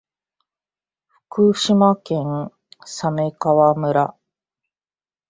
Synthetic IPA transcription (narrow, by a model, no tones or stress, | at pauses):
ɸɯ̟̥kɯ̟ɕimakẽ̞ŋ | same̞kaβamɯ̟ɾa